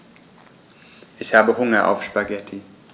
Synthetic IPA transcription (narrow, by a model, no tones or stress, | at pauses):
ʔɪçhaːbəhʊŋɐʔa̰ʊfʃpaɡɛtʰi